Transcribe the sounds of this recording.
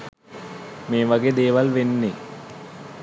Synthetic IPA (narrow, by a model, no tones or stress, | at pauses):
meːʋɐɡed̪eːʋɐlʋenːe